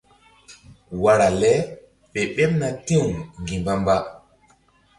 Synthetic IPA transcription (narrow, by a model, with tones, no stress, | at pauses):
wa˦ɾa˨lɛ˦ | ɓe˨ɓe˦pna˨te˦˨ŋŋɡi˨mba˦mba˦